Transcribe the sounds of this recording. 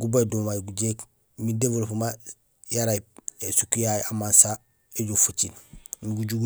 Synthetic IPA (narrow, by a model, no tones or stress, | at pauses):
ɡubajdumajɡuɟek | midebuɾfuma | jaɾajpesukujajamansa | eɟufut͡ʃinnɡuɟuɡ